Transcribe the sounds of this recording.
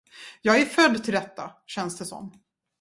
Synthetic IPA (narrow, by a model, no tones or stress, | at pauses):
jɑːɡæɾfœd̪ːt̪ʰɪld̪ɛt̪ːaɕɛnsd̪ɛsɔ̰mː